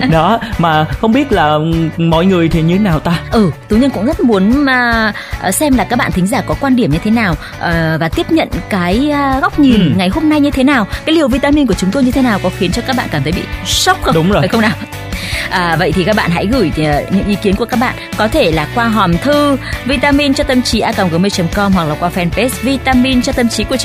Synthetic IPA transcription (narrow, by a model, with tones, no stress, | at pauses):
ɗɔ˨˦maː˨˩xə˧wŋ͡mɓi˦˥ət̚laː˨˩mɔ˨˦jŋɨ˨˩əjt̪ʰe˨˩ɲɨ˧t̪ʰe˨˦naː˨˩wt̪aː˧ʔɨː˨˩t̪ɨ˨˦ɲə˧nkʊ̰˧˥ŋ͡mzə˦˥t̚mu˨˦ənː˨˩ | ʔsɛ˧mlaː˨˩kaː˦˥k̚ɓa̰ː˧˨nt̪ʰŋ̟zaː˧˩kɔ˨˦kwaː˧nɗi˧˩əmɲɨ˧t̪ʰe˨˦naː˨˩w | ʔːvaː˨˩t̪i˦˥əp̚ɲə̰˧˨nkaː˨˦jɣa˦˥wk͡p̚ɲi˨˩nŋa˨˩jɦo˧mna˧jɲɨ˧t̪ʰe˨˦naː˨˩wkaː˨˦jli˨˩əwvi˧t̪aː˧mi˧nku˧˩t͡ɕʊ˨˦ŋ͡mt̪o˧jɲɨ˧t̪ʰe˨˦naː˨˩wkɔ˨˦xi˨˦nt͡ɕɔ˧kaː˦˥k̚a̰ː˧˨nkaː˧˩t̪ʰə˨˦jɓḭ˧˨sɔ˦˥k͡p̚xŋ͡mxə˧ŋ͡mnaː˨˩w | ʔəː˨˩və̰˧˨jt̪ʰi˨˩ka˦˥ɓa̰ː˧˨nɦa̰˧˥jɣɨ˧˩jə˨˩ɲɨ̰˧˥ŋʔi˨˦ki˨˦ənku˧˩kːa˦˥k̚ɓa̰ː˧˨nkɔ˨˦t̪ʰe˧˩laː˨˩kwaː˧ɦɔa˨˩mt̪ʰɨ˧vi˧t̪aː˧mi˧nt͡ɕɔ˧t̪ə˧mt͡ɕi˨˦ʔaː˧kaː˧˩wŋ͡mɣə˨˦me˧t͡ɕə˨˦mkɔ˧mɦwa˨˩k̚laː˨˩kwaː˧fɛ˧npe˦˥svi˧t̪aː˧mi˧nt͡ɕɔ˧t̪ə˧mt͡ɕi˨˦ku˧˩ət͡ɕ